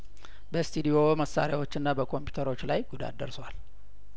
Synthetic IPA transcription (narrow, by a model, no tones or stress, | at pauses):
bəst̪ʰud̪ijo̞məsːa̰ɾijawot͡ʃːɨnːabəkʰo̞mpju̥t̪ʰəɾo̞t͡ʃːlajɡud̪a̰d̪əɾswal